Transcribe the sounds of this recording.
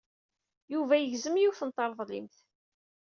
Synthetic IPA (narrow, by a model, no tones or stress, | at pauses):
juvæjəʝzəmjuwθənt̪ˤːɑɾˤðˤlḭmθ